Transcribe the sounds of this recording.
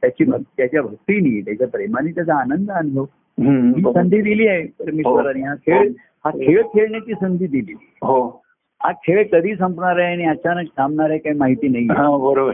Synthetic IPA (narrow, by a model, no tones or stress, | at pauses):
t̪jat͡ɕiːbʱəkt̪jat͡ɕjabʱək̚t̪iːnit̪jat͡ɕjapɾemañit̪jat͡sʰaːnənd̪əanɦ̪ə | ɦɦiːsənd̪ʱiːd̪iliːepəɾmiɦsəɾaɽ̃iɦakʰeɭ | hakʰeɭkʰeɭnet̪iːsənd̪ʱiːd̪ililiɦo | hakʰeɭkəd̪ʱiːsə̃mpnaɾaeaɽ̃iət͡ɕanəksãmɳaɾekaimaɦit̪iːnaɦiãbəɾobəɾ